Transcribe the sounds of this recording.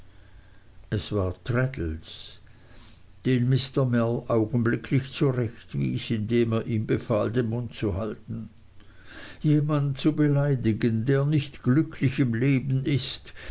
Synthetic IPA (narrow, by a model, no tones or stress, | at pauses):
ɛsv̥aːɐtʁɛdl̩s | d̥eːnmɪstɐmɛlʔaʊɡn̩blɪkʰlɪçt͡suʁɛçtvḭːsɪndeːmeːɐʔiːmbefaːldenmʊntt͡suhaltn̩ | jeːmantt͡subelaɪdɪɡəndeːɐnɪçtɡ̥lʏkʰlɪçɪmleːbn̩ɪst